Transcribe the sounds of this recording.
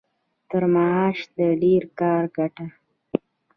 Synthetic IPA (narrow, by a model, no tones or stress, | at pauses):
t̪əɾmaɑʃd̪əɖeɾkɑɾɡaʈa